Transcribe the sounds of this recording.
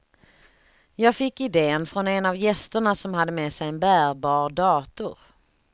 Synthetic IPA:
jɑːɡfɪkːɪd̪eːənfɾɔnɛnavjɛst̪əɳasɔmhad̪ːəmeːsɛjɛnbæːɾbɑːɾd̪ɑːt̪ʊ̰ɾ

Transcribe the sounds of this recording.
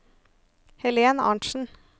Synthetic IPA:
hɛleːnɑ̰ɳʃn̩

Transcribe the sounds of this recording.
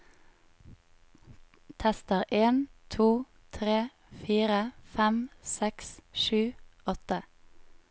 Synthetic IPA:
t̪ʰɛst̪əʁʔeːnt̪ʰuː | t̪ʰʁeː | fiːʁəfæmsɛksʃʉːɔt̪ə

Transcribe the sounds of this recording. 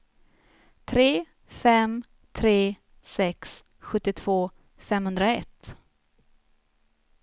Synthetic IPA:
t̪ʰɾeː | fɛm | t̪ʰɾeː | sɛks | ɧɵt̪ːɪt̪ʰv̥oː | fɛmhɵnd̪ɾaɛt̪

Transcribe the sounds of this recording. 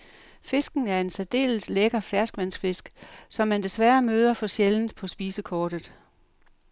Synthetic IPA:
fe̝sɡ̥n̩æɐe̝nsæd̥e̝̰ːlsleɡ̥ɐfæɐsɡ̥ʋæn̰sfe̝sɡ̥sɒ̽mːænd̥e̝sʋæɐmøːð̞ˠɐfɒ̽ɕjeln̩pʰɒ̽sb̥iːsəkʰɒːd̥ð̩ˠ

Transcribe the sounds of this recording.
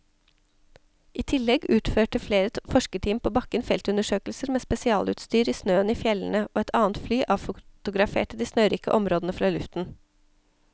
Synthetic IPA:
ʔiːt̪ʰɪlɛɡʉːt̪føːʈəfleːɾəfɔʃkəʈʰiːmpʰoːbɑkənfɛlt̪ʉnəʃøːkl̩səɾmeːspɛsɪɑːlʉ̰t̪st̪yːɾiːsnøːəniːfjɛln̩əʔoːɛt̪ʰɑːnt̪flyːʔɑːʋfʊt̪ʊɡɾɑfḛːʈəd̪iːsnœːɾiːkə̰ʔɔmɾoːd̪n̩əfɾɑːlʉft̪n̩

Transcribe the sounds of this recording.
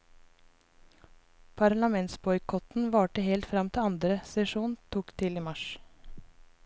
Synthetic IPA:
pʰɑɾlɑmɛnt̪sbɔʏkʰɔt̪n̩ʋɑːʈəhɛlt̪fɾɑmt̪ʰɪɑnd̪ɾəsɛʃuːnt̪ʰuːkt̪ʰɪliːmɑʃ

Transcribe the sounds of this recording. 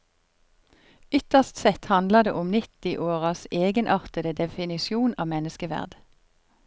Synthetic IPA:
ʏt̪əst̪sɛt̪hɑnd̪ləd̪ḛːʔʊmnɪt̪ɪʔoːʁɑseːɡənʔɑʁt̪əd̪əd̪ɛfɪnɪsɪuːnɑːmɛnəskəʋæ̰ʁd̪

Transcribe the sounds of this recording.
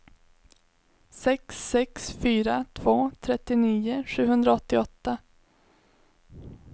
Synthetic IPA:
sɛksɛksfyːɾat̪ʰvoːt̪ʰɾɛt̪ːɪniːʊʂʉ̟ːɦɵnd̪ɾaɔt̪ːɪɔt̪ːa

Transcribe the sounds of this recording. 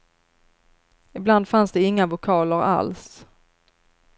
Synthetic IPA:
ɪbland̪fansd̪ɛɪŋːavʊkʰɑːləɾa̰ls

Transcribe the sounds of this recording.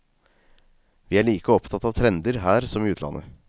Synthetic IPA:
ʋɪːæɭiːkəɔpt̪ʰɑt̪ːɑʋt̪ʰɾɛnd̪əɾɦæːɾsɔmiːʉːt̪lɑ̰nʔə

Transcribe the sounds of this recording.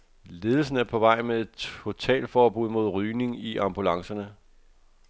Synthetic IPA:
le̝ːð̞ˠl̩s̬n̩æɐpʰɒ̽ʋɑ̈ɪ̰mee̝d̥ʰo̝t͡sʰɛ̰ːlfɒːb̥uð̰ˠmo̝ð̞̰ˠʁyːne̝ŋiʔɑ̈mb̥ulɑ̈ŋsɐnə

